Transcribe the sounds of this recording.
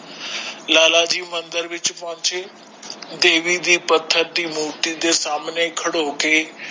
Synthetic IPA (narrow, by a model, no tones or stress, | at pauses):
laːlad͡ʒiːmə̃nd̪əɾʋɪt͡ʃpãːɲt͡ʃʰe | d̪eːʋid̪iːpət̪ʰːəɾd̪iːmoːʈid̪esaːmnekʰɐɽoke